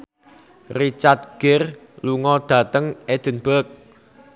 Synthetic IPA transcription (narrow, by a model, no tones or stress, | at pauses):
rit͡ʃat̪̚ɡ̥ɪr | luŋɔd̪̥ä̤t̪əŋed̪̥ə̤nb̥ək̚